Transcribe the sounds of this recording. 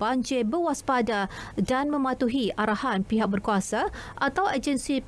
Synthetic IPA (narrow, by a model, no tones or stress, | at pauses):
aɲd͡ʒebəwaspadadanmə̃mãt̪uɦiʔaɾahanpiɦak̚bərkuasaʔat̪awad͡ʒənsi